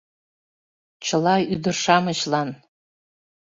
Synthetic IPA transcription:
t͡ʃʰɨlayd̪ɨrʂamɨɕlan

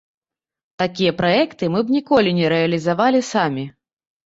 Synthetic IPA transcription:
t̪akʲijɐpɾajɛkt̪ɨmɨbnʲikɔlʲinʲɛɾɛɐlʲizavalʲisamʲi

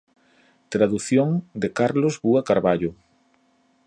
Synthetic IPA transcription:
t̪ɾaðuθjoŋd̪ekaɾlozβuakaɾβaʎo

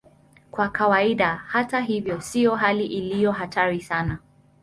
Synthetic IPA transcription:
kwakʰawaiɗahataɦivjɔsijɔɦaliʔilijɔɦatʰaɾisana

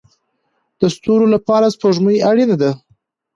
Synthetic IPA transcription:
d̪̥əst̪oɾolapɑɾaspoʒməjjaɽinad̪a

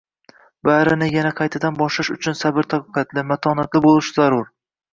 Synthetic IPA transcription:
baɾɪnɪjanaqʰɑjt̪ʰad̪anbɒʃlɪʃʊ̰t͡ʃʰʊnsabɪɾt̪ʰaqːqɑt̪ʰlɪmat̪ʰɒnat̪lɪbolˠɪʃɪzaɾʊɾ

